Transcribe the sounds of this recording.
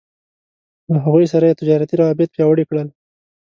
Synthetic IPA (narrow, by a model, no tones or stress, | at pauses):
laɦaɣujsaɾajet̪ɪd͡ʒɑɾat̪iɾawɑbɪt̪̚pjɑwəɽikɽəl